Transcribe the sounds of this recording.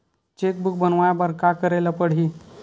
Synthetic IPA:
t͡ɕek̪̚buk̚bənʋajabəɾkakəɾajlapəɽ̤i

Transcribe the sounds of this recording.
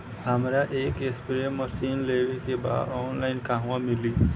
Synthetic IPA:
ɦəmɾaʔeːkespiɾeməsiːnleɡekeba̰ːd̪ɔːnlaɪnkaɦʊ̃wãmili

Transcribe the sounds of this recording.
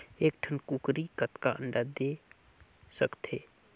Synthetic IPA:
eːkʈʰənkukɾikət̪kaʔə̰̃ɳɖad̪e | səkt̪eː

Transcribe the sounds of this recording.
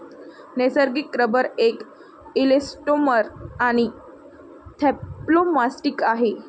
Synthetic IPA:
nesəɾɡikːɾəbəɾek | ilesʈoməɾaɽ̃i | t̪ʰeplomasʈikaɦe

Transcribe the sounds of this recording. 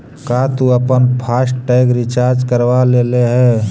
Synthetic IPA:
kat̪uəpənpʰaːsʈʈɛɪɡɾit͡ʃaɾd͡ʒkəɾʋaleleɦɛː

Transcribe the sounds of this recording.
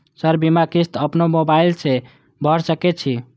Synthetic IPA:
səɾbimakist̪əpnomobailse | bʱəɾsəkɛt͡ʃʰi

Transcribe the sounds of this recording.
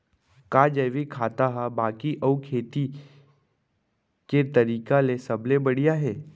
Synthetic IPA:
kaːd͡ʒɐːʋikʰaːt̪aɦabaːkiʔɐukʰeːt̪i | ket̪ɐɾiːkalesɐblebɐɽijaɦɛː

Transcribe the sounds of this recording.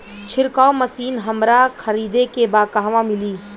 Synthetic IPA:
t͡ʃʰɪɾkaomɐsiːnɦɐmɾakʰɐɾiːd̪ekebaːkaːʋãmɪliː

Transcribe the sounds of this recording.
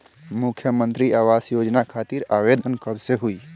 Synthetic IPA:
mukʰjəmənt̪ɾiaʋasjod͡ʒnakʰat̪iɾaʋed̪ʱənkəbseɦui

